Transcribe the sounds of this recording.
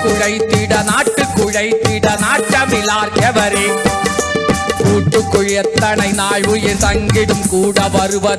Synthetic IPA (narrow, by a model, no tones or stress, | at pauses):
kʊɻɐɪt̪ːɪɽɐnaːʈːɯkːʊɻɐɪt̪ːɪɽɐnaːʈːɐmɪlaːɾkɐʋɐɾeːn | kuːʈːɯkːʊɻɛt̪ːɐnɐɪnaːɻʊjɪɾt̪ɐŋɡɪɽɯmkuːɽɐʋɐɾɯʋɐ